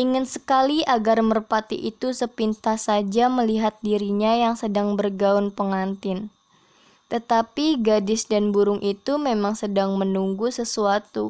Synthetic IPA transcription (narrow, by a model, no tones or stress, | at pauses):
ʔiŋɪnsə̥kaliaɡarmərpat̪ḭʔit̪usəpint̪ahsad͡ʒaməliɦat̪̚diɾiɲajaŋsədaŋbərɡaʊnpəŋant̪ɪn | t̪ət̪apiɡadɪsdanbuɾʊŋʔit̪umemaŋsədaŋmənuŋɡusəsuat̪u